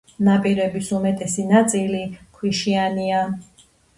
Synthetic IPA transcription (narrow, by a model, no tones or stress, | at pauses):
napʼiɾɛbisumɛt̪ʼɛsinat̪sʼilikʰwiʃiania